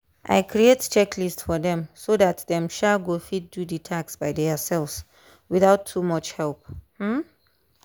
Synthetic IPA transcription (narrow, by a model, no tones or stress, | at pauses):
ʔa̰ɪkʰɹiett͡ʃɛkʰlistfɔðɛ̃msoðat̚ðɛ̃mʃalˠɡofit̚duditʰaksbaɪdɛsɛlfs | wiθaʊtʰːumʌt͡ʃhɛlˠp̚hm̩